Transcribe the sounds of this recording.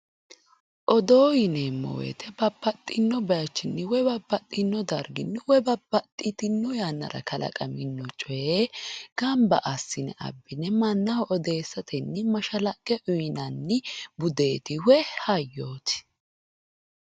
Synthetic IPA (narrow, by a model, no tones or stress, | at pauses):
ʔɔd̪oːjɪnemːɔ̰wḛt̪ɛbɐbːɐt̪ʼːɪnːɔbɐjɐt͡ʃːɪnːɪwɔbɐbːɐt̪ʼːɪnːɔd̪ɐɾɡɪnːɪwɔbɐbɐt̪ʼːɪt̪ɪnːɔjanːɐ̰ɾɐ̰kɐlɐ̰kʼɐmɪnːɔt͡ʃʼɔeɡ̥ɐmbɐʔɐsːɪnɛ̰ʔɐ̰bːɪnɛmɐnːɐhɔʔɔd̪e̞ːsːɐt̪ʰɛnːɪmɐʃɐlɐkʼːɛʔʊjɪnɐnːɪbʊd̪e̞ːt̪ɪwɛhɐjːoːt̪ɪ̥